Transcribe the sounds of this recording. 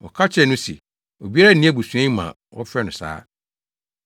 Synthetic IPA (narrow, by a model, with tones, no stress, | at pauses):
ɔ̰˨kʰa˦t͡ɕʰɛ˦˨nʊ̃˦sḭ˨ | o˨bi˦a˦a˦˨nĩ˦ɛ˦bu˨su˨ã˦mã̰˨ | wɔ˦fɾɛ˦nʊ̃˨sa̰ː˦